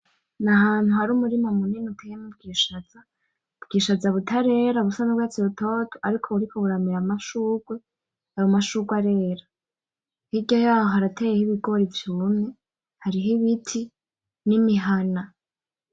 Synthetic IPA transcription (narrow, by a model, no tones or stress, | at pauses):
naɦaːn̥huhaɾuːmuɾimomuninutʰejemub̚ɡiːʃaza | bɡiːʃazaβutʰaɾe̞ːɾaβusanabɡwat͡siβutʰotʰoaɾikʰo̞uɾikʰoβuɾamiɾamaʃuːɡwe | haɾomaʃuɡwaɾe̞ːɾa | hiɟojaːhohaɾatejehiβiɡo̞ɾivjumɲe̞ | haɾiɦiβitʰi | nimiɦana